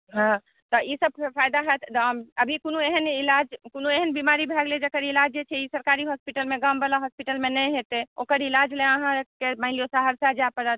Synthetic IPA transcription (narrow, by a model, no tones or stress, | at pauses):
ɦã | t̪ɔʔisəb̚pʰajd̪aɦɛt̪ʰməbʱikonueɦənilad͡ʒkonueɦənbimaɾibʱɛɡled͡ʒekəɾilad͡ʒd͡ʒet͡ʃʰɛisəɾkaɾiɦɔspiʈəlmẽɡambəlaɦɔspiʈəlmenɛjɦet̪eokəɾilad͡ʒleəɦãekemaɦlijosaɦəɾsad͡ʒapəɾət̪̚ʰ